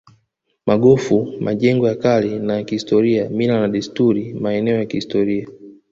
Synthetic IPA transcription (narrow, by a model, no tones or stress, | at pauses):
maɠɔfumaʄɛŋɡɔjakalinajakihistɔɾiaminanaɗɛstuɾimaɛnɛɔjakihistɔɾia